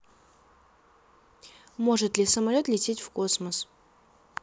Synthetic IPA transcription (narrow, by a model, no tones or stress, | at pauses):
mo̞ʐɨt̪lʲɪsəmɐlʲo̞t̪lʲɪtʲetʲfko̞sməs